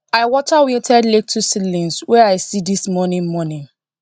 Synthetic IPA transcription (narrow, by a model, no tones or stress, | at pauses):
aɪwɔt͡ʃawĩntʰɛdlek̚tʰusilĩnswɛaɪsidismɔnĩnmɔnĩn